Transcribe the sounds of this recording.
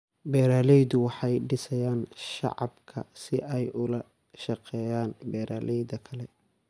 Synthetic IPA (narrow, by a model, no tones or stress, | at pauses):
bɛːɾaːlɛjd̪ʊwɑħɑjɖɪsɐjaːnʃɑ̰ʕɑ̰bkʰɐ̰sɪʔɛjʊlɐ | ʃɑqɛːjaːnbɛːɾʔaːlʔɛjðɐkʰɐlɛ